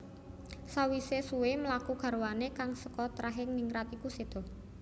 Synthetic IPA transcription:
sawisesuweməlakuɡ̥a̤ɾwanekaŋsəkɔt̪ɾaɦɪŋniŋɾat̪ikused̪̥ɔ̤

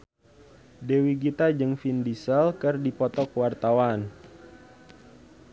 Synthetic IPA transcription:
dewiɡit̪ad͡ʒəŋfindisəlkərdipɔt̪ɔkəwart̪awan

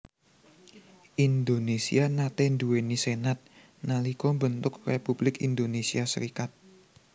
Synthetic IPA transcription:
ʔind̪onesianat̪end̪uwenisenat̪̚ | nalikɔmbənt̪ʊk̚republɪkind̪onesiasəɾikat̪̚

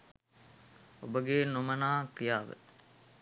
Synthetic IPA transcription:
obəɡeːnomənaːkɾijaːʋə̰

